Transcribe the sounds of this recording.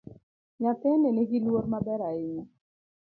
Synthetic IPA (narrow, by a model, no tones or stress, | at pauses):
ɲateneneɡilwoɾmabɛɾaɪɲɔ